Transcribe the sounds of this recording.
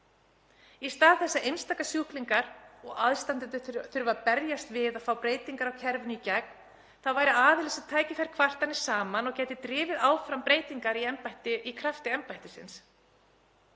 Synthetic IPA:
ist̪aːðθɛsːaejnst̪akasjuhkliŋkaɾɔɣaðst̪ant̪ɪt̪ʏθʏɾvapɛɾjast̪vɪðaðfaːwpɾeːjt̪iŋkaɾawcʰɛɾvʏnicɛk̚n | θaðvaːjɾɪaːðɪlɪsaðt̪ʰaːjcɪfɛɾ̥kʰvar̥t̪anɪ̥saːmanɔɣcɛːjt̪ɪt̪ɾɪːvɪðaːwfɾampɾeːjt̪iŋkaɾiɛmpajht̪ɪʔikʰɾaft̪ɪɛmpajht̪ɪsɪ̰ns

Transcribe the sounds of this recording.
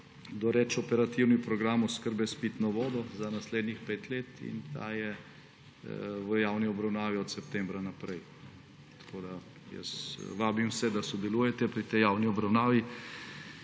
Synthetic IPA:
d̪ɔɾɛt͡ʃɔpɛɾat̪iwnipɾɔɡɾamɔskəɾbɛspit̪nɔʋɔːd̪ɔzanasleːd̪nixpeːt̪leːt̪ḭnt̪a̰ːjɛ | ʋəjaːwniɔbɾawnaːʋiɔt̪sɛpt̪ɛːmbɾanapɾɛj | n | t̪ḁkoːd̪a | jə̰sʋaːbimwsɛd̪asɔd̪ɛluːjɛt̪ɛpɾit̪ɛjaːwniɔbɾawnaːʋi

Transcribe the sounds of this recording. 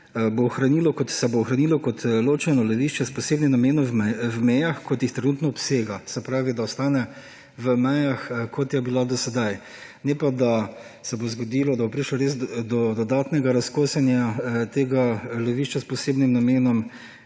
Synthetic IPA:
boːxɾanilɔkɔt̪sɛboːxɾanilɔkɔt̪loːt͡ʃɛnɔlɛʋiʃt͡ʃɛspɔseːbnimnameːnɔɛwmɛjaxkɔt̪jixt̪ɾɛnuːt̪nɔːpseːɡasɛpɾaːʋid̪aɔst̪aːnɛ | ʋəmɛjaxkʰɔt̪jɛbilad̪ɔsɛd̪aj | nɛpad̪a | sɛbozɡɔd̪iːlɔd̪abopɾiːʃlɔɾeːzd̪ɔd̪ɔd̪aːt̪nɛɡaɾaskoːsɛnjat̪eːɡalɛʋiʃt͡ʃaspɔseːbnimnameːnɔm

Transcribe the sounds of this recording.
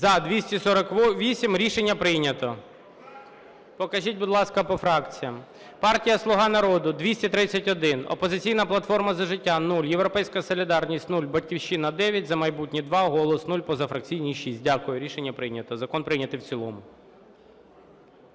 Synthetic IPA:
zɐd̪ʋʲisʲtʲisɔɾɐkʋʲisʲimɾʲiʃenʲːɐpɾɪjnʲɐt̪ɔ | pɔkɐʒʲit̚ʲbʊd̪lˠɑskɐpɔfɾɑkt͡sʲijɐm | pɑrtʲijɐslˠʊɦɑnɐɾɔd̪ʊd̪ʋʲisʲtʲit̪ɾɪt͡sʲːɐtʲɔd̪ɪnɔ̰pɔzɪt͡sʲijnɐplˠɐt̪fɔrmɐzɐʒɪtʲːanulʲje̞wɾɔpɛjsʲkɐsɔlʲid̪ɑrnʲisʲtʲnulʲbɐdʲkʲiwʃinɐd̪ɛʋʲjɐtʲzɐmɐjbutʲnʲid̪ʋɑɦɔlˠɔsnulʲpɔzɐfɾɐk̚t͡sʲijnʲiʃisʲt̚ʲdʲakʊjʊɾʲiʃenʲːɐpɾɪjnʲɐt̪ɔzɐkɔnpɾɪjnʲɐt̪ɪwt͡sʲilˠɔmʊ

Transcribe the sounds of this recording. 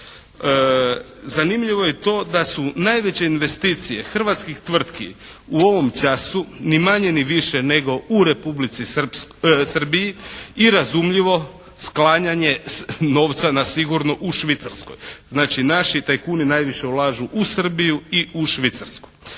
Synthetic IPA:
ə | zanimʎiʋo̞jet̪o̞ːd̪asunajʋet͡ɕe̞inʋe̞st̪iːt̪sije̞xr̩ʋat̪skixt̪ʋr̩t̪kḭ | uo̞ʋo̞mt͡ʃasunimaɲe̞niʋiʃene̞ɡo̞uɾe̞publit̪sipsr̩bijiiɾazumʎiʋo̞ | sklˠaːɲaɲe̞no̞ːʋt̪sanasiɡuɾnoʔuʃʋit̪saɾsko̰jznaːt͡ʃinaʃit̪ajkuːninajʋiʃe̞ulˠaːʒuʔusr̩bijuiuʃʋit̪saɾsku̥j

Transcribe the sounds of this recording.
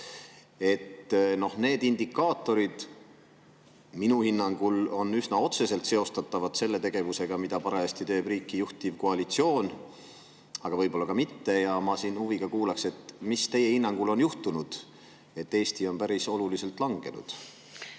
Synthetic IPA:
e̞t̪no̞hne̞ːd̪ind̪ikːˑɑːt̪ːˑo̞ɾid̪̥ | minuhinːɑŋɡ̥ulo̞nysnɑo̞t̪se̞se̞lt̪se̞o̞st̪ɑt̪ːɑvɑd̪̥se̞lːe̞t̪e̞ɡ̥e̞vuse̞ɡ̥ɑmid̪̥ɑpɑɾeɑst̪it̪ø̞ːb̥riːkːijuht̪ivko̞ɑlit̪sio̞ːn | ɑɡ̥ɑvɤjb̥o̞lːɑkɑmit̪ːe̞jɑmɑsiːnhuviɡ̥ɑkuːlɑkse̞t̪ːmist̪e̞je̞hinːɑŋɡ̥ulo̞njuht̪unud̪̥ | e̞t̪ːe̞ːst̪io̞npæɾiso̞lulise̞lt̪ˑlɑŋɡ̥e̞nṵd̪̥

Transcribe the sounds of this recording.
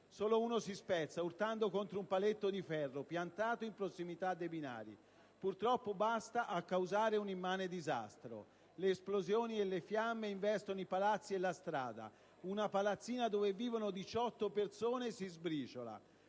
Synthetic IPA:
soːlouːnosispɛt̪sːaurt̪and̪okont̪ɾoumpalet̪ːod̪ifɛrːopjant̪aːt̪oimpɾosːimit̪ad̪ːebina̰ːɾḭ | purt̪ɾɔpːobast̪aʔakːawzaːɾeunimːaːned̪iza̰st̪ɾo̰ | leːsplozjoːnielːefjamːeiɱvɛst̪onoipalat̪sːielast̪ɾa̰ːd̪a̰ | unapalat̪sːiːnad̪oːveviːvonod̪it͡ʃɔt̪ːopersoːnesizbɾiːt͡ʃola̰

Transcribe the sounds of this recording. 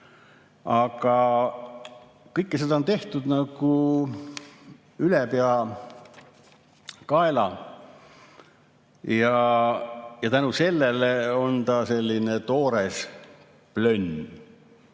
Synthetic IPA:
ɑɡ̥ɑ | kɤjkːˑesed̪ɑont̪e̞ht̪ud̪̥nɑɡ̥u | ylepeɑ | kɑelɑ | jɑ | jɑt̪ænuse̞lːeleo̞nt̪ɑse̞lʲːinet̪o̞ːɾes | plønʲ

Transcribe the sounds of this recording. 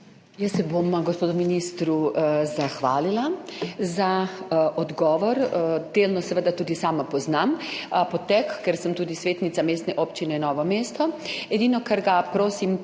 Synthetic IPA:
jəsːɛbomɡospoːd̪uminiːst̪ɾuzaxʋaːlilazaɔd̪ɡɔːʋɔɾd̪eːlnɔsɛʋəd̪at̪uːd̪isaːmapɔznampɔt̪ɛkːɛɾsəmt̪uːd̪isʋeːt̪nit̪sameːst̪nɛʔoːpt͡ʃinɛinɔːʋɔmeːst̪ɔɛd̪iːnɔkɐɾɡapɾoːsim

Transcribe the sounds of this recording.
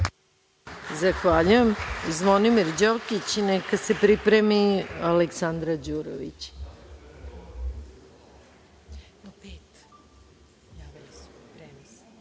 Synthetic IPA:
zaxʋaʎujemzʋo̞nimiɾd͡ʑokit͡ɕnekasepɾipɾemialeksand̪ɾad͡ʑuːɾo̰ʋḭt͡ɕ | opet̪ | pɾm

